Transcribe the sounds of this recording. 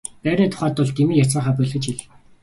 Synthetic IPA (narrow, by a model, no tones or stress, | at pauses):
pæːɾʲniːt̪ʰʊ̥χæːt̪ːʊɮt̪imiːjat͡sə̆ːɴχaːpœɮɣɘ̆t͡ɕiɮ